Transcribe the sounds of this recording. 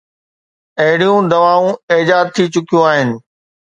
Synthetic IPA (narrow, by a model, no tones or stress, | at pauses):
ɐɦɪɽijũd̪ɐʋaːũeːd͡ʑaːd̪̚t̪ʰit͡ɕʊkijũaːɦɪnɪ̆